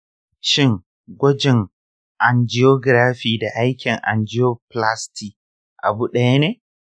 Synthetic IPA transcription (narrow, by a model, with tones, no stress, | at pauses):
ʃɪ˦ŋ | ɡʷɐ˦d͡ʒɪ˨ŋ | ʔa˨nd͡ʒɪ˦joː˦ɡɾaː˦ɸiː˨da˨ʔa˦jkʲɪ˨ŋʔa̰˨nd͡ʒɪ˦joː˦pla˦sti˨ | ʔa˨bu˦ɗɐ˦ja˦neː˦